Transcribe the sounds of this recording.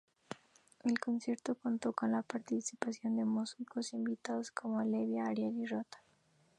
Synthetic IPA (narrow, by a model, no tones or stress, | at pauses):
elko̞nsje̞ɾt̪okont̪o̞konlapaɾt̪isipasjo̞nd̪emusikosimbit̪aðoskʰomoaleβjaːɾjalirot̪ḁ